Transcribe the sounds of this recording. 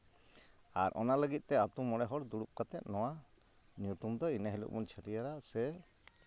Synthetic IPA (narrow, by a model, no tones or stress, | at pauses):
aɾʔɔ̰naləɡit̪̚ˀt̪ɛat̪umɔɽɛɦɔɽd̪uɽup̚kat̪ɛt̪̚ˀnɔwa | njut̪umd̪ɔinaɦilṵʔmɔnt͡ʃʰəʈijaɾasɛ